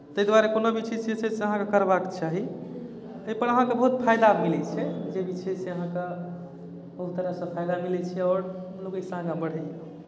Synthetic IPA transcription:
t̪əjd̪waɾekonobit͡ʃʰɛsʰɛseseəɦãkekəɾbakt͡ʃaɦi | əjpəɾəɦãkebəɦut̪̚pʰajd̪amilɛt͡ʃʰɛd͡ʒebit͡ʃʰɛseəɦãke | bəɦut̪ːəɾasə̃pʰajd̪amilɛt͡ʃʰɛɔːɾ | lokesãɡabəɽ̤ɛ

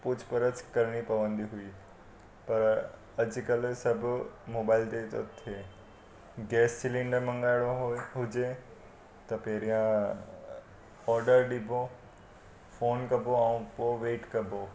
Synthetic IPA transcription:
pʊt͡ʃʰpəɾətkɐɾɽ̃ipɐʋə̃nd̪iɦʊiː | pɐɾ | ɐd͡ʒkɐlsɐbʱmoːbaːɪlt̪et̪o̰t̪ʰeː | ɡɛːssɪlĩɳɖəɾmə̃ŋɡɾaːɽoɦɦʊd͡ʒe | t̪ɐpeːɾijã | ɔːɾɖəɾɖibʱo | fʰoːnkɐboãũpoʋeːʈkɐbo

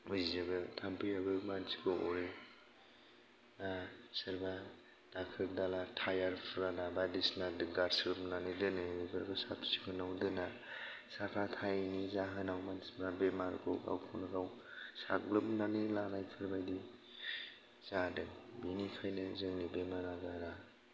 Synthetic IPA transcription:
mujzizabɯtʰampʰɯjabɯmansi̥kʰɔɔɾe | nasɯɾba | d̥akʰɯk̚dalatʰajaɾpʰɾanabadisnadɯɡaɾsɯɾɯp̚nanɯdɯnɯibaɾɡɯsatʰsi̥kʰɯnawdɯna | sapʰatʰajnizaɦɯnawmansimʰɾabemaɾɡoa̰wkʰɔnaɡawsa̰klɯpnanilanajpʰɯɾbajdi | z̥adɯŋbinikʰajnɯzɯŋnibemaɾaɡaɾa

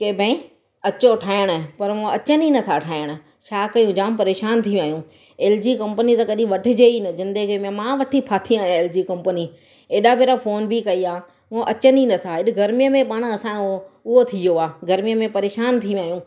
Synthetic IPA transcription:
keːbʱə̃ɪ̃ | ɐt͡ɕoʈʰaːɪəɽ̃pɐɾmõɐt͡ɕəninɐt̪ʰaʈʰaːɪɽ̃ | t͡ɕʰaːkɐjũd͡ʑaːmpɐɾeːʃaːnt̪ʰij̃aːɦijũ | eːld͡ʑiːkɐ̃mpənit̪ɐkɐɗĩʋɐʈʰɪd͡ʑeːinɐzɪ̃nd̪əɡimẽmãʋɐʈʰipʰaːt̪ʰiaːɦjãeːld͡ʑikɐ̃mpəni | eːɗapeːɾafʰoːnbikɐiaː | moʔɐt͡ɕəninɐt̪ʰaɦɪɗɪɡɐɾmijəmẽpaːɽ̃ɐsãoʊɦot̪ʰijoaːɡɐɾmijəmẽpɐɾeːʃaːnt̪ʰĩaːɦjũː

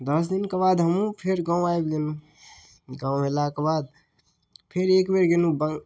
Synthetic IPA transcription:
d̪əs̬d̪inkebad̪ɦəmũpʰeɾɡãũajbɡenũ | ɡãʊ̃ɦelakebad̪̚ | pʰeɾekbeɾɡenũbəŋ

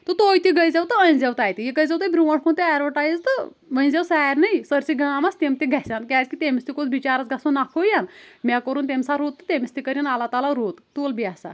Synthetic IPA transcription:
t̪ɨt̪oːjt̪iɡəjd͡zewt̪ɨə̃nd͡zewt̪aːjt̪ijiɡəjzewt̪ɐbɾuʋɐʈkʰunt̪iaɾʋəʈajzt̪ɨ | ʋə̃nd͡zewsaɾnɐjsəɾsiɡamast̪emt̪iɡʱasʲankʲaːt͡skit̪emist̪ikod̪bit͡ɕaːɾat͡sɡʱasunakʰojanmʲakəɾuːnt̪emsaɾot̪ːɨt̪emist̪ikəɾʲinalat̪alaɾoːt̪t̪uːlbiasa̰

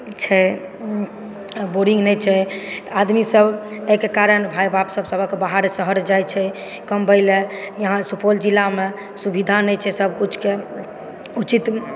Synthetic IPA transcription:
t͡ʃʰɛ | boɾĩŋɡnɛjt͡ʃʰɛt̪ad̪misəbekekaɾənbʱajbapsəbsəbʱəkebaɦaɾsəɦəɾd͡ʒajt͡ʃʰɛ | kəmbəjlejəɦãsupold͡ʒilːame | subid̪ʱanɛjt͡ʃʰɛsəbʱkut͡ʃʰke | ut͡ʃit̪

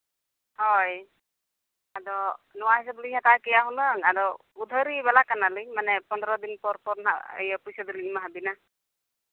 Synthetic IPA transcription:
hɔj | adɔnɔwaɦis̬ablihatakɛjaɦunɯŋadɔ | ud̪ʱəɾibalakanalɯmanɛpɔndɾɔd̪inpɔɹpɔɾna̰ḛjɔpujsɔdiliimaɦabina

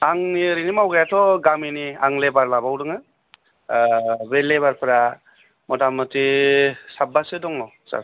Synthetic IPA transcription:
aŋniɾinimawɡajatʰɔɡaminiaŋlebaɾlabawdɯŋɯ | beleβaɾpʰɾa | mɔdamɯtʰisabːasedɔŋnɔ | sa̰ɾ

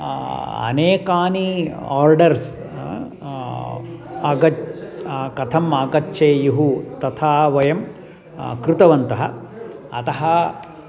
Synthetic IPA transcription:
ɐ̰neːkaːniaːɾɖɐɾs | aɡɐ | kɐt̪ʰɐmaːɡɐtːʃeːjiɦut̪ɐt̪ʰaːʋɐjɐm | kɾut̪ɐʋɐnt̪ɐɦɐ̰ɐt̪ɐɦɐ

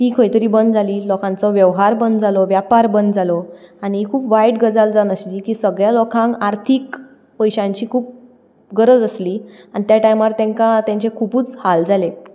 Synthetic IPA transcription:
t̪iːkʰəjt̪əɾiːbənd̪d͡zʱaliːlɔkãnt͡sɔʋjəʋɦaɾbənd̪d͡zʱalɔʋjapaɾbənd̪d͡zalɔaɽ̃ikʰuːpʋajʈɡəd͡zald͡zanəɕliːkiːsəɡɭjalɔkʰãŋaɾt̪ʰiːk | pəjɕãɲt͡ɕiːkʰuːp̚ | ɡəɾəd͡zəsliːanit̪jaʈajmaɾt̪ɛ̃ŋkat̪jãɲt͡ɕekʰupuːt͡shald͡zale

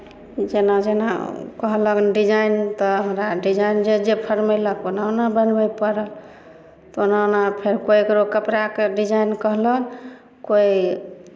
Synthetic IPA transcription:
d͡ʒenad͡ʒena̰kəɦləknɖid͡ʒaint̪ɔɦəmɾaɖid͡ʒajnd͡ʒed͡ʒepʰəɾmeləkonaonabənbəjpəɾəl | t̪onaonapʰeɾkojekɾokəpɾakeɖid͡ʒainkəɦlən | koi

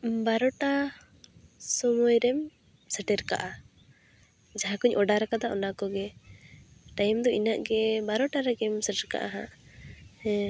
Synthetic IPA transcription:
baɾɔʈa | sɔmɔjɾɛm | səʈɛɾka̰ʔa | d͡ʒaɦãkuɲʔɔɖaɾakad̪aɔnakɔɡɛ | ʈajmd̪ɔinaʔɡɛbaɾɔʈaɾɛɡɛmsəʈɛɾka̰ʔaɦã

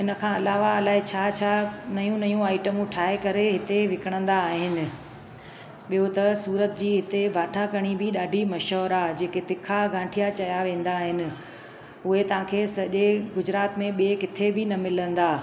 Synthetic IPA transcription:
ɪnə̆kʰãːɐlaːʋaɐlaːɦɪt͡ɕʰaːt͡ɕʰanɐjũnɐjũaːɪʈəmũʈʰaːekɐɾeɦɪt̪eʋɪkʰəɽ̃ə̃nd̪aːɦɪnɪ̆ | ɓijot̪ɐsuːɾət̪d͡ʑiːɦɪt̪ebʱaːʈʰakɐɽ̃ibʱɪɗaːɖʱimɐʃɔːɾad͡ʑeːket̪ɪkʰaɡãːʈʰijat͡ɕɐjaʋẽːn̆d̪aːɦɪnɪ̆ | ʊɦet̪ɐʋ̤ãːkʰeːsɐʄeɡʊd͡ʑɾaːt̪mẽɓiekɪt̪ʰebɪnɐmɪlə̃nd̪aː

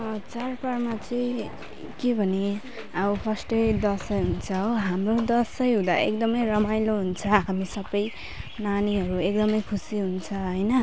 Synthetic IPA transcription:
ʌt͡sarparmat͡sʌ̃ | kebʱʌne | ʌupʰʌsʈʌjd̪ʌsʌjɦunt͡sʰʌoɦamrod̪ʌsʌjɦũd̪a̰ʔḛkd̪ʌmʌjɾʌmajloɦunt͡sʰʌɦamisʌbʌj | naniɦʌɾuek̚d̪ʌmʌjkʰusiɦunt͡sʰʌɦʌjnʌ

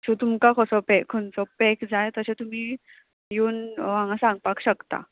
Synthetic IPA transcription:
sut̪umkakʰəsɔpɛkʰənt͡sɔpɛkd͡zajt̪əɕet̪um̤iː | juːnʋaŋɡãsãŋɡ̚pakɕəkt̪a̰

